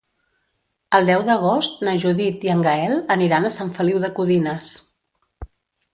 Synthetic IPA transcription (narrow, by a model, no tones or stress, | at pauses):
əlˠd̪ɛwðəɣost̪nəʒuðit̪iəŋɡəɛlˠəniɾanəsaɱfəliwðəkuðinəs